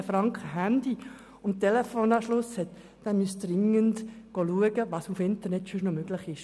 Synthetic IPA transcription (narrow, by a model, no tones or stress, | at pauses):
əfɾɑŋkχəɦænd̪i | ʊnt̚tːelefoːnɑːʃlʊshɛt̪ | dɛnmyəsd̥rɪŋəndɡ̥oluəɡəʋɑːsufɪnt̪ərnɛtʃʏʃnomøɡ̥lɪχɪʃ